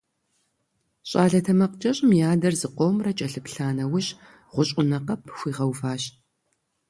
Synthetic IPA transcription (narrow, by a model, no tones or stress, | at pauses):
ɕʼaːɮɐtʰɐmɐqt͡ʃɐɕʼɪmjaːdɐrzɨqʷowmrɐt͡ʃʼɐɬɨpɬaːnɐwʊɕ | ʁʷʊɕʼʊnɐqɐpʰxʷiːʁɐwfaːɕt